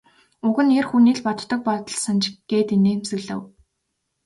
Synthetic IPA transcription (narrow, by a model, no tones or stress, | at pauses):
ɵɣɘ̆nerxuniːɮpɔt̪ːɞ̆k̚pɔt̪ɞ̆ɮsant͡ɕɪɡ̥eːt̪ineːmsɘ̆ɣɮɘ̆w